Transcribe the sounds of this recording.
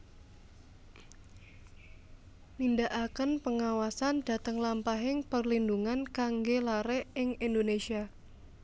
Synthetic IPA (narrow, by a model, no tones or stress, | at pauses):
nindaʔakənpəŋawasand̥a̤t̪əŋlampaɦɪŋpərlinduŋankaŋɡelaɾɛɪŋindonesia